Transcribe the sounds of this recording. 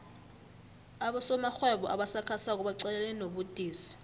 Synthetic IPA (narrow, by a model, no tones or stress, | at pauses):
aɓɔsɔmaxwɛɓɔʔa̰ɓasakʰasak̬ʼuɓaǀɛɛlɛnoɓud̥ʱʼiːsi̥